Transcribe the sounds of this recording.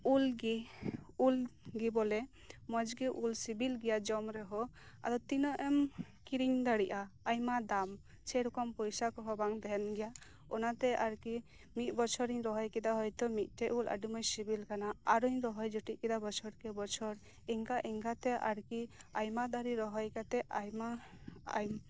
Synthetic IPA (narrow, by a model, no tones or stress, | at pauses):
ulɡiulɡibɔlɛ | mɔd͡ʒɡiʔulsibilɡɛjad͡ʒɔmɾɛɦɔ | a̰d̪ɔt̪inɔʔɛm | kiɾiŋd̪aɽiʔaːjmad̪am | t͡ʃʰɛɾukɔmpɔjsakɔɦɔbaŋd̪ʱɛnɡɛja | ɔnat̪ɛʔaɾki | mit̪̚ˀbɔt͡ʃʰɔɾiɲɾɔɦɔjkɛd̪aɦɔjt̪ɔmit̪̚ˀtɛʔula̰ɖimɔjsibilkanaaɾujɾɔɦɔjd͡ʒɔʈiʔkɛd̪abɔt͡ʃʰɔɾkɛbɔt͡ʃʰɔɾ | ɛŋkaʔɛŋkat̪ɛʔa̰ɾkiajmad̪aɾiɾɔɦɔjkat̪ɛʔajma̰ː | jm